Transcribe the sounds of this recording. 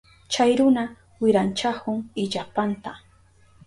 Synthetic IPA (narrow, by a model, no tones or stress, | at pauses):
t͡ʃajɾʊna | wɪɾant͡ʃakʊŋɪʎapant̪a